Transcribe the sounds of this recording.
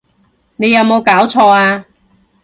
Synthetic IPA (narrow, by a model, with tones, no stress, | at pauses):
ne˨˧jɐ˨˧wmo˨˧wkaː˨˥wt͡sʰɔː˧aː˧